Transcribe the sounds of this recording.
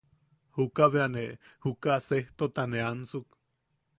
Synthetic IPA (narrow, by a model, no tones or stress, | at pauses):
hukaβeanehukaseht̪ot̪aneansuk